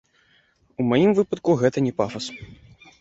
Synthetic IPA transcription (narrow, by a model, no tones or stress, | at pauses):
umajimvɨpɐt̪̚kuɣɛt̪ɐnʲɛpafɐs